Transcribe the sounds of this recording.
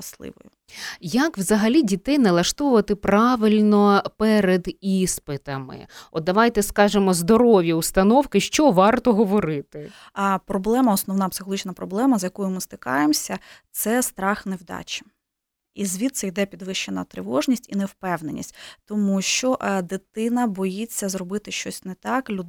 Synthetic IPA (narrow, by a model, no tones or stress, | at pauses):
ɐslˠɪ̰ʋɔ̰jʊ̰ | jɐkʋzɐɦɐlʲidʲit̪ɛjnɐlˠɐʃt̪ɔʋʊʋɐt̪ɪpɾɑʋɪlʲnɔpɛɾed̪ispɪt̪ɐmɪ̰ɔt̪ːɐʋɑjt̪ɛskɑʒɪmɔzd̪ɔɾɔʋʲjɐust̪ɐnɔwkɪʃt͡ʃɔʋɑrt̪ɔɦɔʋɔɾɪt̪ɪ | pɾɔblˠɛmɐɔsnɔwnɑpsɪ̥xɔlˠɦʲit͡ʃnɐpɾɔblˠɛmɐzjɐkɔjʊmɪst̪ɪkɑ̰jemsʲɐt̪sɛst̪ɾɑxnewd̪ɑ̰t͡ʃɪ̥ | izʲʋʲit̪sɛjd̪ɛpʲid̪ʋɪʃt͡ʃenɐ̰t̪ɾɪʋɔʒnʲisʲtʲḭnɛwpɛwnenʲḭsʲtʲt̪ɔmuʃt͡ʃɔʔd̪ɪt̪ɪnɐbɔjit͡sʲːɐzɾɔbɪt̪ɪʃt͡ʃɔsʲnɛt̪ɑklʲu